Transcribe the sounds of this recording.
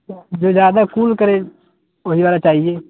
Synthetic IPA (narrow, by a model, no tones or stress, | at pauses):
d͡ʒoːd͡ʒjaːd̪akuːlkəɾe | oɦiʋaːlat͡ʃaːɦieː